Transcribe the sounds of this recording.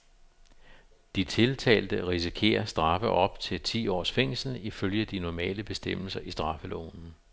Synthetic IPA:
d̥it͡sʰe̝lt͡sʰɛ̰ːld̥əʁisikʰe̝̰ːɐsd̥ʁɑ̈fəʔɒ̽b̥t͡sʰe̝lt͡sʰḭːɒ̰ːsfeŋ̰sl̩iføljəæd̥inɒmɛ̰ːləb̥e̝sd̥em̰l̩sɐʔisd̥ʁɑ̈fəlɔ̰ːnn̩

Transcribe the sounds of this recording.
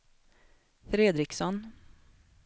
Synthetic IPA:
fɾeːd̪ɾɪksɔn

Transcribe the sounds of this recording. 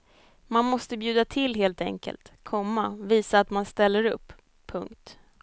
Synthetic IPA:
manmɔst̪əbjʉ̟ːd̪at̪ʰɪlːɦeːlt̪ɛ̰ŋkə̰lt̪kʰɔmːaviːsaːt̪manst̪ɛlːəɾɵ̰pːʰ | ɵŋkt̪

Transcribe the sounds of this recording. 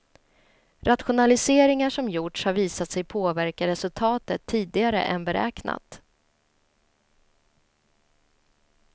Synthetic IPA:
ɾat̪ɧʊnalɪseːɾɪŋaʂɔmjʊʈʂhaɾviːsat̪sɛjpʰoːvæɾkaɾɛsɵlt̪ʰɑːt̪ət̪ʰːiːd̪ɪɡaɾə̰ʔɛ̰nbɛɾɛ̰ːkna̰t̪

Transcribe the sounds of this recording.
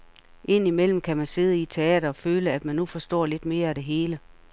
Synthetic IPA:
ʔe̝n̰imel̰m̩kʰæmænse̝ð̞ˠəit͡sʰe̝ɛ̰ːɾ̥ɐføːləæd̥mænːufɒ̽sd̥ɒ̰ːle̝d̥me̝ːɐæd̥e̝ɦe̝ːlə

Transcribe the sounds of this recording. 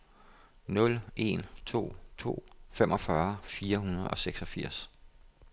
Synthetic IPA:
nɔ̽le̝̰nt͡sʰo̝̰ːt͡sʰo̝̰ːfemʔɒ̽fɶɐfiːɐɦunɐð̞̩ˠɒ̽seɡ̥sɒ̽fiɐ̰s

